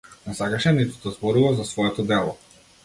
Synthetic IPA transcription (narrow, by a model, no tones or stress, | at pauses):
nɛsakaʃɛnit̪ud̪azbɔɾuvazasvɔɛt̪ɔd̪ɛlˠɔ